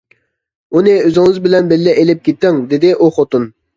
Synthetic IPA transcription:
unɪøzɪŋɨzbɪlɛnbɪlːɛʔelɪp̚kʲʰet̪ːɪŋd̪ɪd̪ɪʔuχot̪un

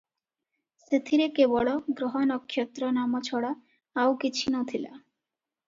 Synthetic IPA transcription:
set̪ʰiɾekebɔɭɔɡɾoɦɔnɔkʰːjɔt̪ːɾɔnamɔt͡ɕʰɔɽa | awkit͡ɕʰinɔt̪ʰila̰

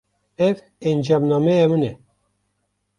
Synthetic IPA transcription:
ɛv | ɛnd͡ʒɑmnɑmɛjamɨnɛ

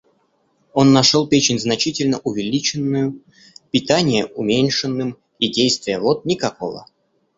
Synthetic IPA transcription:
o̞nːɐʂolˠpʲet͡ɕɪnʲznɐt͡ɕitʲɪlʲnəʔʊvʲɪlʲit͡ɕɪnːʊjʊ | pʲɪt̪anʲɪjəʔʊmʲenʲʂɨnːɨm | idʲejst̪vʲɪjəvot̪̚nʲɪkɐko̞̰və̰

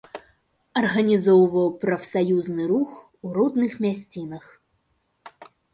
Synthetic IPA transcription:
ɐrɣɐnʲizɔwvɐwpɾɐfsajuznɨɾux | uɾɔd̪nɨxmʲasʲt͡sʲinɐx

